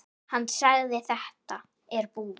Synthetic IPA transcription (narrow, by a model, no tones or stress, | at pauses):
hanːsaɣðɪθɛht̪a | ɛɾpuː